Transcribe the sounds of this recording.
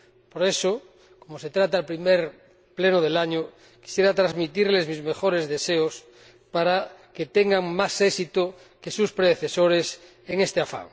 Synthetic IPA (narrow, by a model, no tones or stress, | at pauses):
poɾeso | komoset̪ɾat̪aːlpɾimeɾ | plenoðelaɲo | ki̥sjeɾat̪ɾazmit̪iɾlezmizme̞xoɾezðeseos | paɾaket̪eŋɡaŋmasesit̪o | kesuspɾeðeθesoɾes | eŋest̪eafa̰ŋ